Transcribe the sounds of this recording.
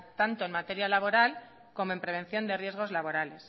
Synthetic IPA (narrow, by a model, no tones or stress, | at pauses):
t̪ant̪o̞enmat̪e̞ɾjalaβ̞o̞ɾal | ko̞moempɾe̞β̞ẽ̞n̟θjo̞nd̪e̞rje̞zɣ̞o̞zlaβo̞ɾale̞s